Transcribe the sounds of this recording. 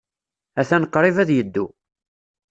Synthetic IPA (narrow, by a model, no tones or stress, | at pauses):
æθænəqːɾˤivæðjəd̪ːṵ